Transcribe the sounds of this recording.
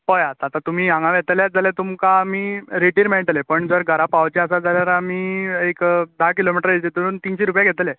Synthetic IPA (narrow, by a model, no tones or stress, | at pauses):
pɔjat̪ːt̪at̪um̤iːãŋɡãʋɛt̪ljaɾd͡zalet̪umkaːmiːɾeʈiːɾmɛɭʈlepəɳd͡zəɾɡʱəɾapawt͡ɕeasad͡zaljaɾamiːekd̪akilomiʈəɾet͡ɕet̪uɾuːnt̪iːnɕiɾupjaɡʱɛt̪le